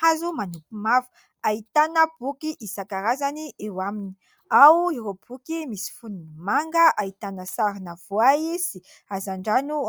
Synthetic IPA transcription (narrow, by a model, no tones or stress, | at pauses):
azumanupimavu̥ | ait̪anəb̥ukiʔisakaɾazaniʔewamini̥ | awiɾob̥ukimisi̥funinimaŋɡəʔait̪anəsaɾinav̥oajisi | azaɳɖ͡ʐanu